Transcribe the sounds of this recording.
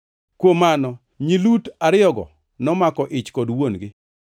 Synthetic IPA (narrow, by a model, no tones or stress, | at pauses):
kwomanɔ | ɲilutaɾɪɔɡɔ̰ | nɔmakɔʔɪt͡ʃkɔdwonɡɪ